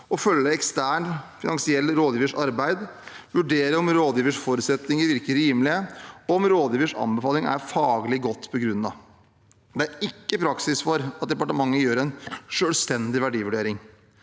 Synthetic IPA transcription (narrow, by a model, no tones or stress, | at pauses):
ɔfœlːəɛkst̪æːɳfɪnɑŋsɪɛlːɾoːd̪jiːʋəʂɑɾbæɪd̪ʋʉɖeːɾəɔmɾoːd̪jiːʋəʂfɔɾʉt̪sɛt̪nɪŋəɾʋɪɾkəɾiːmlɪəɔɔɔmɾoːd̪jiːʋəʂɑ̰nbəfɑːlɪŋæ̰ɾfɑːɡəlɪɡɔt̪ːpʰɔɡɾʉnːɑ | d̪ɛæɾɪkːəpʰɾɑksɪsfɔɾɑt̪̚d̪ɛpɑʈəmɑŋːəjøːɾɛnʂøːlst̪ɛnd̪ɪʋæɖiːʋʉɖeːɾɪŋ